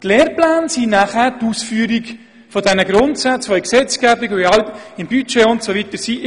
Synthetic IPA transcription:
tleːɾplæːnsinæχæːɾtusfyəɾik | fɔdɛnəɡɾʊntsat͡sfɔiksɛt͡sɡ̥æbiɡʋiɑltɪmbyt͡ʃeʊntsoʋit̪əɾsi

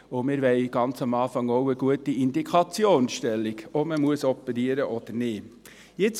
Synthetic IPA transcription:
ʊmɪɾʋɛɪɡ̥ɑnt͡sɑmɑːfɑŋɔʊəɡuətiɪnd̪ikʰɑt͡sjoːnsʃtɛlːiɡɔbməmuəsɔpːɛɾiəɾəʔɔd̪̥əɾnɪː | jɪt͡s

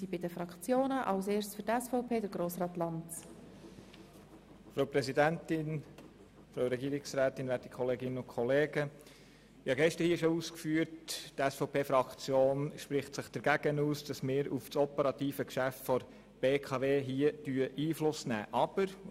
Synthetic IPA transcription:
ibɪdəfɾɑkt͡sjoːnəʔɑlseːɾst͡sfʏɾtɛsfɔʊpʰeːdəɾɡ̥ɾoːsɾɑːt̪lɑnt | fɾoʊpɾɛsidæntɪn | fɾoʊɾɛɡiːɾɪksɾæːtɪnʋæːtikʰɔleːɡɪnənʊnkʰɔleːɡ̥ə | ɪhɑɡɛʃtəɾhiəʃɔuːskfyːəɾttɛsfɔʊpeːfɾɑkt͡sjoːnʃpɾɪχtsəχd̥əɾɡ̥æɡ̥ənuːsd̥ɑsmɪːɾufsɔpəɾɑt̪iːfəkʃæftfɔɾ | b̥eːkʰɑʋeːɦiədyːəʔiːflʊsnæ̰ːʔɑb̥əɾ

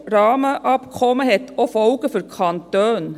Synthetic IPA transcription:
ɾɑːməʔɑpkʰɔməheːt̪oːfɔʊɡəfɔɾkʰɑnt̪øːn

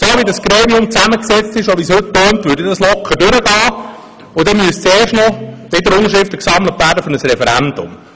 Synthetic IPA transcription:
soːʋidɑsɡ̥ɾeːmiʊmt͡sæməksɛt͡st̪ɪʃoʋishɵt̪̚pœːnt̪ʋʏːɾdɪdɑslɔkχədʉɾəɡ̥ɑː | ʊdɛmyəst͡seːrʃtnɔd̥ɛd̪əɾʊŋəʃɾɪftəksɑmlət̪ʋæːɾdəfɔnəsɾɛfɛɾænd̥̪ʊ̰m

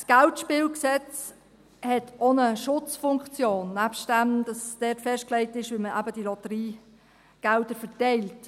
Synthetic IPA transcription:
sɡ̥æltʃpɪːlksɛt͡s | hɛtʰonəʃʊt͡sfʊŋkt͡sjoːnːæpstdæmd̥ɑsd̥ɛtfɛʃt̚klɛɪtɪʃʋɪməʔæbəd̥ilɔtəɾiː | ɡ̥ældəɾfəɾtɛɪlt

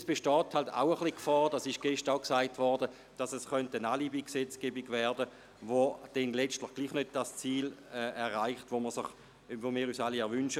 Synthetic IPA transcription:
sb̥eʃtɔːthalta̰ʊəχlikfɑːʁd̥asɪʃɡ̥ɛʃtaʊksaɪtvɔʁdə | d̥asɛsχœntənaːlibiksɛt͡sɡ̥ebiɡvɛɐdə | vod̥ɛnlɛt͡stləχɡ̥liːχnød̚d̥ast͡siːlɛɛʁʁaɪχtvoməɐsɪχ | vomiːʁysaliɛɐʁvʏnʃə

